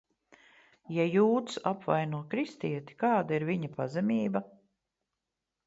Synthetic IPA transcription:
jajuːt̪sapvajnuɔkɾist̪iɛt̪i̥kɑːd̪aiɾviɲɐpazɛmʲiːbɐ

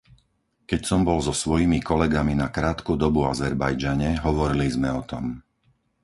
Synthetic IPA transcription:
kɛcsɔmbɔlzɔsʋɔjimikɔlɛɡaminakɾaːt̪kud̪ɔbuazɛɾbajd͡ʒaɲɛɦɔʋɔɾilizmɛɔt̪ɔm

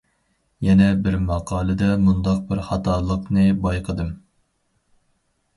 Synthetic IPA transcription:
jɛnɛbɪɾmɑqʰɑːlˠɨd̪ɛmund̪ɑq̚bɪɾχɑt̪ʰɑːlˠəqnɨbɑjqʰəd̪ɨm

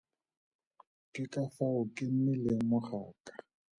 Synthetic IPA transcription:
kɪkafaʊkɪm̩mɪlemʊχaːkʼḁ

